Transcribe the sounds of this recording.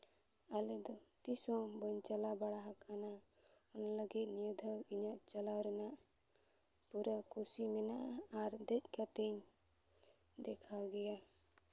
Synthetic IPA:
alɛd̪ɔt̪isɔ̃wbəɲt͡ʃalabaɽaɦakana | ɔnaləɡit̪nid̪ʱəwiɲaʔt͡ʃalawɾɛnaʔ | puɾakusimɛnaʔaaɾd̪ɛc̚kat̪iɲ | d̪ɛkʰawɡɛja

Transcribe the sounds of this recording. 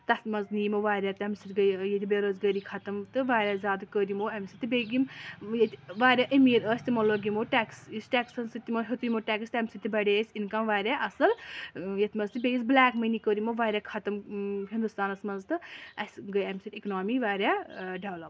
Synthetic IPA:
t̪ɐsmɐnzniːmoʋaːɾʲjaːt̪ɐmsit̪ʲɡɐjjet̪ʲibeɾoːzɡɐɾikʰɐt̪ɐmt̪ɨʋaːɾʲaːzʲaːd̪ɨkəːɾimoːɐmsit̪ibeɡimjet̪ʲiʋaːɾʲaːʔɐmiːɾəːsʲt̪imɐloːɡimoːʈɛːksisʈɛːksɐnsɨt̪ʲːimɐɦet̪ujimoʈʲɛːkst̪ɐmʲsit̪ʲibɐɽʲeːsʲinkɐmʋaːɾʲjaːʔɐsɐljɐt̪ʰʲmɐnzt̪ɨbʲejisblaːkmɐjnikəːɾimoʋaːɾʲjaːkʰɐt̪ɐmɦind̪ust̪aːnɐsmɐnzt̪ɨɐsʲɡɐjɐmsit̪iknoːmiʋaːɾʲaːɖɐʋlɐp

